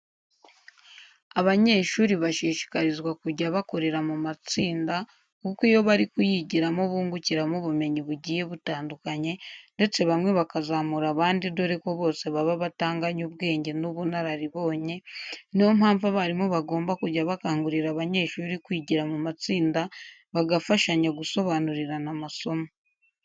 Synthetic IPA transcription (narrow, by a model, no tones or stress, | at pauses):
aβaɲe̞ːʃuːɾiβaʃiːʃi̥kaɾizɡwakuɾɟaβako̞ɾe̞ɾamumat͡siːnda | kukijo̞βaɾikujiɟiɾamoβuːŋɡuciɾamuβume̞ɲiβuɟiːje̞βutaːndukaɲe̞nde̞t͡se̞βamŋe̞βakazaːmuɾaβaːndido̞ɾeko̞βo̞ːse̞βaβaβataːŋɡaɲuβɡe̞ːɲɟe̞nuβunaɾaɾiβo̞ːɲe̞niho̞mhaːɱvaβaɾimoβaɡo̞ːmbakuɾɟaβakaːŋɡuɾiɾaβaɲe̞ːʃuɾikwiɟiɾamumat͡siːnda | βaɡafaʃaɲaɡuso̞βanuɾiɾanamaso̞mo